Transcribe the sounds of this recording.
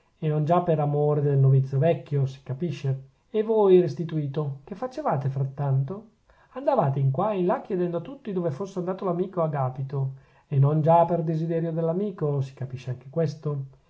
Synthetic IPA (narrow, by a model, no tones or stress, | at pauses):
enːond͡ʒapːeɾamoːɾed̪elnovit̪sːjovɛkːjosi̥kapiʃːe | evojrest̪it̪uiːt̪ok̟efːat͡ʃevaːt̪efɾat̪ːant̪o | and̪avaːt̪eiŋkwainlakjed̪ɛnd̪oat̪ːut̪ːid̪oːvefosːeand̪aːt̪olamiːkoaɡaːpit̪o | enːond͡ʒaperd̪ezid̪ɛːɾjod̪elːamiːkosi̥kapiʃːeaŋk̟ekwest̪o